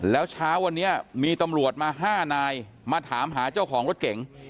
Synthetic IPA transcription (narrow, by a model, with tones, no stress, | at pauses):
lɛː˦˥wt͡ɕʰaː˦˥wa˧nːi˦˥ɐmiː˧t̪a˧mɾu˨˩ə˩t̪̚maː˧ɦaː˥˩naː˧j | maː˧t̪ʰaː˩˦mɦaː˩˦t͡ɕa˥˩wkʰɔː˩˦ŋɾo˦˥t̪̚ke˩˦ŋ